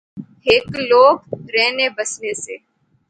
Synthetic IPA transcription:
heːkloːɡɾɛːneːbəsneːsḛː

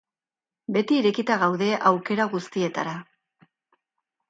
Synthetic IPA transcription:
be̞t̪iːɾe̞kit̪aɣawðe̞ʔawke̞ɾaɣust̪ie̞t̪a̰ɾa

